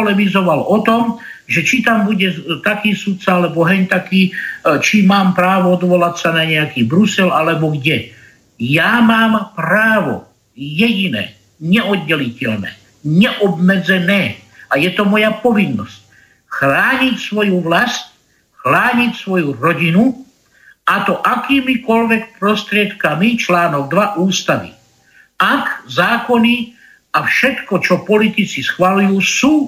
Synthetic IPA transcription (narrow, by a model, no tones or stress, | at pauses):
ɔlɛʋizɔʋalɔt̪ɔmʒɛt͡ʃit̪ambuɟɛt̪akiːsut̪t͡saalɛbɔɦɛɲt̪akiːt͡ʃimaːmpɾaːʋɔɔd̪ʋɔlacsanaɲɛakiːbɾusɛlalɛbɔɡɟɛ | jaːmaːmpɾaːʋɔ̰ | jɛɟinɛ̰ː | ɲɛʔɔd̪̚ːɛlicɛlnɛ̰ː | ɲɛʔɔbmɛd͡zɛnɛːajɛt̪ɔmɔjapɔʋinːɔsc̚ | xɾaːɲicsʋɔjuʋlasc | xlaːɲicsʋɔjuɾɔɟinu | at̪ɔʔakiːmikɔlʋɛk̚pɾɔst̪ɾɪɛt̪kamit͡ʃlaːnɔɡ̚d̪ʋaʔuːst̪aʋḭ | akzaːkɔni | afʃɛt̪kɔt͡ʃɔpɔlit̪it͡sisxʋalujuːsuː